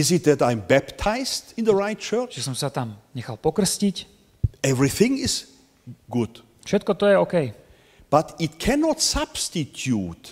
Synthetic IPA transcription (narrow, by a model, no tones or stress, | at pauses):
ɪzɨt̪̚ðætãɪ̃mbæptʰaɪz̥tɪ̃nðəɹaɪt̚t͡ʃʰɜ˞ʒ̥ɛsɔmsat̪amɲɛxalpɔkr̩scic | ɛvɹiθɪ̃ŋɪz̥ | ɡʊd̥ | fʃɛt̪̚kɔt̪ɔjɛɔkɛj | b̥atɪt̚kʰɛnɔtsab̥stitʰjut